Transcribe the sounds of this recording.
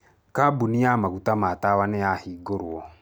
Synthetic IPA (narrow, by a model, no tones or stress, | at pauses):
kabuniamaɣutamatawaneahiːɡoɾwɔ